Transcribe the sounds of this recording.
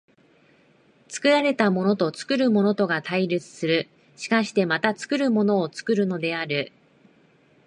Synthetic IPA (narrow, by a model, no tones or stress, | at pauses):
t͡sɨ̥kɯ̟ɾaɾe̞t̪amo̞no̞t̪o̞t͡sɨ̥kɯ̟ɾɯ̟mo̞no̞t̪o̞ɡat̪aiɾʲɯt͡sɨ̥sɨɾɯ̟ | ɕi̥kaɕi̥t̪e̞mat̪at͡sɨ̥kɯ̟ɾɯ̟mo̞no̞ːt͡sɨ̥kɯ̟ɾɯ̟no̞d̪e̞aɾɯ̟